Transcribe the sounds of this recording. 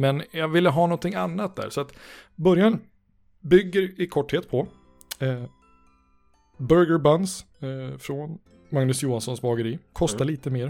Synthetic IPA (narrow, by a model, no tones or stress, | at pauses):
mɛnjɑvɪlːəɦɑːnɔnt̪ʰɪŋanːat̪̚d̪æ̰ɾsɔat̪bœɾjan | bʏɡːəɾɪkʰɔʈheːt̪̚pʰɔ | bœɾɡəɾbans | fɾɔn | maŋnɵsjuːɦansɔnsbɑːɡəɾiːkʰɔst̪aliːt̪əmeːɾ